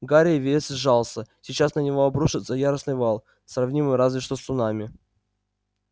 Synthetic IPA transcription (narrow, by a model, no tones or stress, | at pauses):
ɡaɾʲɪəvʲet̪sɨʐalˠsəsʲɪt͡ɕasnənʲɪvoɐbɾuʂɨt̪səjaɾəsnɨjvalˠ | srɐvnʲimɨjɾazvʲɪʂt̪osʊnamʲɪ